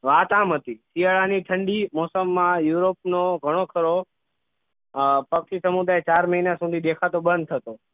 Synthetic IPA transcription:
ʋaːt̪aːmɦət̪isijaɭaniʈʰəɳɖimɔːsəmːãjuɾop̚noɡʱəɽ̃okʰəɾo | pəkʃisəmud̪aːet͡ʃaːɾməɦinasũːd̪ʱid̪ekʰat̪oɓə̃nd̪̚t̪ʰət̪o

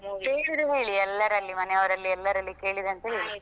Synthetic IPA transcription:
eːsid̪uɦeːɭiɛlːɐɾɐlːimɐnɛɐʋɐɾɐlːiɛlːɐɾɐlːike̞ːɭid̪ɐnt̪eːɭi

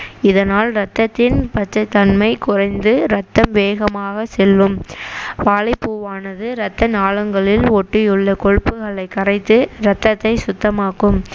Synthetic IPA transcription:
ɪðɐnaːlɾɐt̪ːɐt̪ːɪnpɐt͡ʃːɐt̪ːɐnmɐɪkʊrɐɪnd̪ɯɾɐt̪ːɐmʋeːɣɐmaːɣɐsɛlːɯmʋaːlɪpːuːʋaːnɐðɯɾɐt̪ːɐnaːɭɐŋɡɐɭɪlɔʈːɪjɯɭːɐkɔɻpːɯɣɐɭɐɪkːɐrɐɪt̪ːɯɾɐt̪ːɐt̪ːɐɪsʊt̪ːɐmaːkːɯm

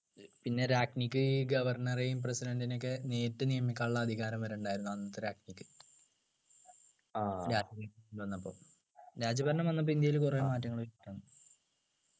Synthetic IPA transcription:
pinːe̞ɾaːknikːɨɡɐʋɐrɳɐreimp̬residɐndinekːɨne̞ːtːɨnijɐmikʲːaːɭuɭːɐːd̪ʱiɣaːɾɐmʋɐɾeuɳɖaːjiɾunːuɐnːɐt̪ːɨɾaːknikːɨ̥ | aɾaːd͡ʑɐbɐɾɳɐiʋɐnːɐpːo̞̰ː | ɾaːd͡ʑɐbɐɾɐnɳɐmʋɐnːɐp̬ːoind̪jɐjilkureːmaːtːɐŋːɐɭuoiʈːɐnːɨ

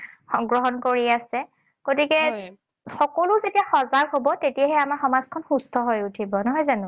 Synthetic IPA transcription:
xɔŋɡɹɔɦɔnkoɹiasɛ | ɡ̥otikɛ | xɔkolʊzetijaxɔzaɹɦobɔtetijaɦɛamaɹxɔmazkʰɔnxustʰɔɦɔjutʰibɔnɔɦɔjzanʊ

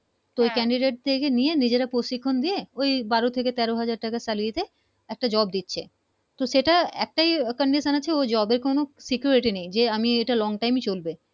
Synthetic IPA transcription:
t̪oojkɛɳɖiɖeʈ̚d̪ekenijenid͡ʑeɾapɾoʃikʰːond̪ieojbaɾot̪ʰeket̪ɛɾoɦad͡ʑaɾʈakasaliet̪e | ɛk̚ʈad͡ʑɔb̚d̪itːɕʰḛ | t̪oʃeʈaɛ̰k̚ʈajkəɳɖiʃanaːeod͡ʑɔbeɾkonosikjuɾiʈinejd͡ʑeamieʈalɔŋʈajmit͡ɕolbe

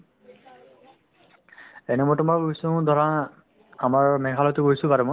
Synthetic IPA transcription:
enɛmɔtɔmaɡosʊ̃d̪ʱɔɹa | amaɹmɛkʰalɔtʊɡojsʊ̃paɹɛmɔ

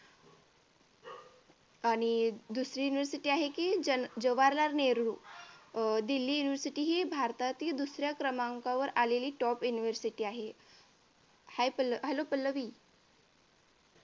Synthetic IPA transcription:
aɽ̃id̪usɾiːjuniʋəɾsiʈiːaɦekiəd͡ʑəʋaɾlaɾneɾɽuː | d̪ilːiːjuniʋəɾsiʈiːɦibʱaɾt̪at̪iːd̪usɾjakɾəmaŋkaʋəɾaleliːʈɔpjuniʋəɾsiʈiːaɦe | hajpəlɦɛlopəlːəʋiː

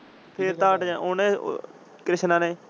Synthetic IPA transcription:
pʰeːɾt̪aːʈd͡ʒãːoːnḛː | kɾɪʃnãːneː

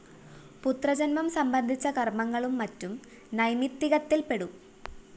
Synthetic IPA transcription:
put̪rɐd͡ʑɐnmɐmsɐmbɐnd̪ʱit͡ɕːɐkɐrmɐŋːɐɭumːɐtːum | nɐjmit̪ːiɣɐt̪ːilpe̞ɽu

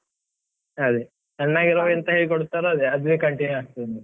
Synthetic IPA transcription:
ɐd̪e | t͡ʃɛnːaːɡiɾoʋɛnt̪ɐɦeːɭikoɽut̪ːaːɾeɐd̪eɐd̪ʋekɐɳʈinjuaːɡ̚t̪ɐd̪ɐni

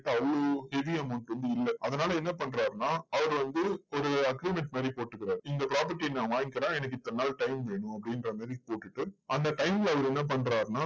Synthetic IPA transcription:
ʈːɐʋɭoːhɛʋiɐmʊɳʈɾɯnd̪ɯɪlːɛʔɐðɐnaːlɐɛnːɐp̬ɐɳɾaːɾnaːɐʋɐɾʋɐnd̪ɯɔɾɯɐɡɾimɛɳʈmaːd̪ɾipoːʈːɯkːɪɾaːɾɪndɡ̪ɐpɪɾaːp̬ɐʈːiɛnːɐʋaːŋkɪɾãːɛnɐkːɯɪt̪ːɐnːaːlʈɐɪmʋeːɳɯ̃ɐpːɐɽɪnɾɐmaːd̪ɾipoːʈːɯʈːɯʔɐnd̪ɐʈɐɪmɪlɐʋɐɾɛnːɐp̬ɐɳɾaːɾnaː

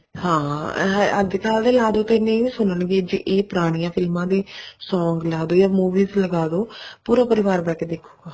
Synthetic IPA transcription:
hãː | ə̰d̪kaːld̪eːlaːd̪oːt̪ãɪnːẽʋiːsʊnənɡeːd͡ʒiʔeːpʊɾaːɽ̃ijãːpʰɪlmãːd̪eːsɔːŋɡlaːd̪oːjaːmuːʋiːzləɡaːd̪oːpuːɾaːpəɾɪʋaːɾbɛːked̪ekʰːuːɡaː

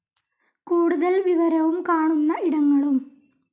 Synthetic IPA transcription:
kuːɽuðɐlʋiʋɐɾɐʋumkaːɳunːɐiɽɐŋːɐɭum

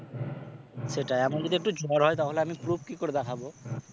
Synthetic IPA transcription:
seʈaeamaɾd͡ʑot̪iek̚ʈud͡ʑɔɾɦɔet̪aɦoleamipɾubʰʱkikoɾed̪ɛkʰabo

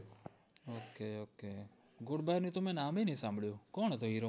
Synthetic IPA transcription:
oːkeːoːkeː | ɡʊɽbaːɾnẽːt̪ʊmẽːnaːmeːnĩːsãːmbəɭjoːkoːnt̪oːɦiːɾoː

